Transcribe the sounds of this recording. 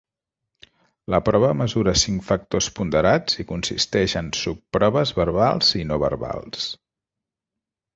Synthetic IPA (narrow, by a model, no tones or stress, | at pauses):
ləpɾɔβəməzuɾəsiŋkfək̚t̪ospund̪əɾad͡zikunsḭst̪ɛʃənsupːɾɔβəzβəɾβalˠzinoβə̰ɾβa̰lˠs